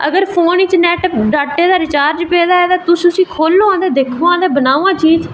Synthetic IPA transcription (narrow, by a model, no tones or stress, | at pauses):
ə̰ɡəɾpʰoːniːt͡ʃnɛːʈɖaːʈːeːd̪aːɾɪt͡ʃaːɾd͡ʒpɛːd̪aːɛːd̪aːt̪ʊsʊsĩːkʰoːlːõãːd̪eːd̪eːkʰõãːd̪eːbənaːãːt͡ʃʰiːt͡ʃ